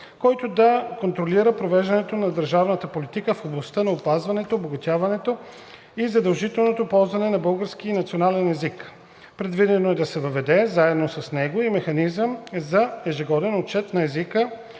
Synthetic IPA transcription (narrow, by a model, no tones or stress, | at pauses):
kɔjt̪od̪ɐkont̪ɾoliɾəpɾovɛʒd̪ɐnɛt̪onɐd̪əɾʒavnət̪əpolit̪ikəfoblˠɐst̪ənɐopazvɐnɛt̪oːboɡɐt̪ʲavɐnɛt̪o | izɐd̪ɐlˠʒit̪ɛlˠnot̪opɔlˠzvɐnɛnɐbɤlˠɡəɾsk̟iinɐt̪sionalɛnɛzik | pɾɛd̪vid̪ɛnoɛd̪ɐsɛvəvɛd̪ɛzaɛd̪nosɐsnɛɡoimɛxɐnizəmzɐɛʒiɡɔd̪ɛnot͡ʃɛt̪nɐɛzikə